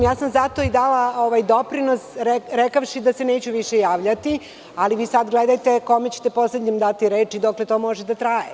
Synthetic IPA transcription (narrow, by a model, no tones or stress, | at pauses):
jaːsamzat̪o̞id̪alaoʋajd̪o̞pɾinosɾɾekafʃid̪aseneːt͡ɕuʋiʃejaːʋʎat̪i | aliʋiːsad̪ɡled̪ajt̪eko̞met͡ɕe̥t̪e̞po̞sled̪ɲemd̪at̪iɾeːt͡ʃid̪oklet̪oːmo̞ʒed̪at̪ɾaːje